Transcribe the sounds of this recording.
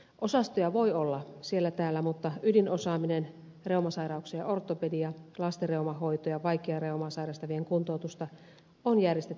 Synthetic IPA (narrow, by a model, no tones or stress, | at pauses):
ʔosɑst̪ojɑʋoiolːɑsielːæt̪æːlːæmut̪ːɑydinosɑːminen | reumɑsɑiɾɑuksijɑ̰ʔort̪ːˑopedijɑlɑst̪ereumɑɦo̞it̪ojɑʋɑikːˑeɑreumɑsɑiɾɑst̪ɑʋieŋkunt̪oːˑt̪ust̪ɑ | onjærjest̪et̪ː